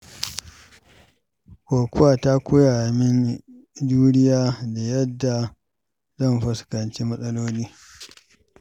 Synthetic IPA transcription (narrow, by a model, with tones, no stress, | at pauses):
kʷoː˨kʷʊ˦waː˨ta˦kʷʊ˦jaː˨mɪ˦n | d͡ʒuː˦nɪ˦jaː˦da˨jɐ˦dːa˨ | zɐ˦˨mɸɐ˨skɐ˨nt͡ʃiː˦mɐ˦sʼɐ˦loː˦niː˦